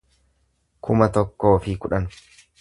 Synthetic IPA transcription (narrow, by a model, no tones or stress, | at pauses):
kʰʊmɐt̪ɔkːo̞ːfɪkʊᶑɐnʊ̥